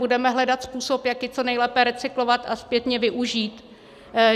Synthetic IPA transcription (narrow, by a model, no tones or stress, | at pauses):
udɛmɛɦlɛdat̪spuːso̞pjakjɪt͡sonɛjlɛpɛɾɛt͡sɪklovat̪aspjɛt̪ɲɛvɪʔuʒiːt̪